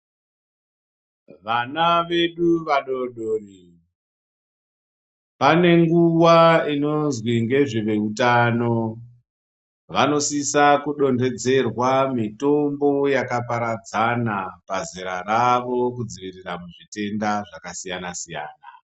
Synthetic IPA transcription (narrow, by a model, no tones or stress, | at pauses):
ʋanaʋe̞ɗuʋaɗoɗoːri | pane̞ŋɡuwaino̞nzwiŋɡe̞ʐeʋe̞utano̞ | ʋano̞sisakuɗo̞nde̞d͡ze̞rwamito̞mbo̞jakapaɾad͡zanapaziɾaɾaʋo̞k̬ud͡ziʋiriramuʐite̞ndaʐakasijanasija̰ːna̰